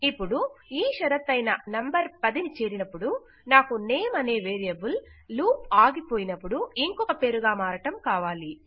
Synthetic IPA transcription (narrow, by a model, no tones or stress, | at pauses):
ipːuɽuiːʃɐɾɐt̪ːɐjnɐnɐmbɐɾpɐd̪init͡ʃeːɾinɐpːuɽu | naːkuneːmɐne̞ːʋe̞ːɾijɐbulluːpaːɡipo̞ːjinɐpːuɽuiŋkɔkɐpe̞ːɾuɡaːmaːɾɐʈɐmkaːʋaːli